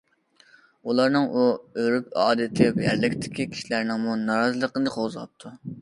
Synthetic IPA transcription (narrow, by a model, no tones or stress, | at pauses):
ulˠɑɾnɨŋʔuøɾypɑ̰ːd̪ɨt̪ʰɪwɛjæ̰ɾlɪkʲt̪ʰɪ̥kʲikʲʰi̥ʃilæɾnɪŋmunɑɾɑzɨlˠəqənɨqʰozlˠɑ̰p̚t̪ʰu